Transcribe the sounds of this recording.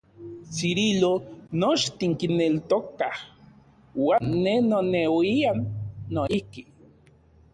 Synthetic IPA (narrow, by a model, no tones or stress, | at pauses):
siɾilonot͡ʃt̪iŋkinelt̪okah | waːnːenonewianːoihki